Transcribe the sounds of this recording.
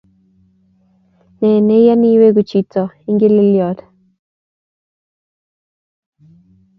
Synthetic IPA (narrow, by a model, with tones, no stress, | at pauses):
nɛ˨nɛ˦ja˦ni˦we˦ɡu˨t͡ʃi˨tɔ˨ɪ˦ŋɡɪ˦lɪ˦ljɔ˨d